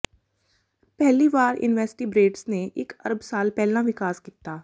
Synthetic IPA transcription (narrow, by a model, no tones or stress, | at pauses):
pɛɦliʋaːɾɪ̰nʋɛːsʈibɾeːʈsneʔɪkɐ̰ɾəbsaːlpɛɦlãʋɪkaːskiːt̪aː